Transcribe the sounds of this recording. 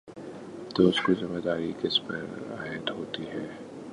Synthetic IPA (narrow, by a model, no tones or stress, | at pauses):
t̪oːʊskizɪmːəd̪aːɾikɪspə̰ɾa̰ːjət̪ɦoːt̪iɦɛː